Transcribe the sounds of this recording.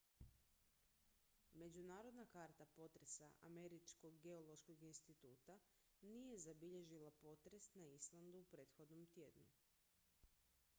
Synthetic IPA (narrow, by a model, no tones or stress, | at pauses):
me̞d͡ʑunaːɾo̞d̪nakaɾt̪apo̞t̪ɾe̞saʔame̞ɾit͡ʃkoɡɡe̞olˠo̞ʃkoɡinst̪it̪uːt̪a | nije̞zabiʎe̞ʒilˠapo̞t̪ɾe̞snaislˠand̪uupɾe̞ːt̪xo̞d̪nomt̪je̞d̪nu